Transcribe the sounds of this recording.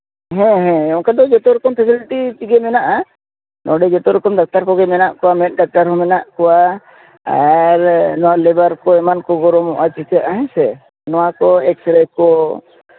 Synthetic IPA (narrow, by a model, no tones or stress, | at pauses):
ɦɛ̃ɦɛ̃ɔŋkad̪ɔd͡ʒɔt̪ɔɾɔkɔmpʰɛsiliʈit͡ʃiɡɛmɛnaʔa | nɔɖɛd͡ʒɔt̪ɔɾɔkɔmd̪ak̚t̪aɾkɔɡɛmɛnaʔkɔwamɛʈ̚ˀɖak̚t̪aɾɦɔmɛnaʔkɔwa | a̰ɾnɔwalɛbaɾkɔɛmankɔɡɔɾɔmɔʔat͡ʃit̪aʔaɦɛ̃sɛ | nɔwakɔɛksɾɛkɔ